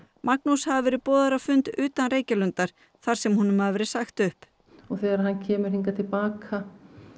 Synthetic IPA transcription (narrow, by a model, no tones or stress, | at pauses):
mʔak̚nushavavɛːɾɪpɔːðaɾavfʏnt̪ʏːt̪anɾeːjcalʏnt̪aɾ̥ | θaɾ̥sɛmhunːʏmhaðavɛːɾɪsaxt̪ʏhp | ɔɣθɛːɣaɾahanːcʰɛːmʏɾ̥hiŋkat̪ʰɪlpaːkʰa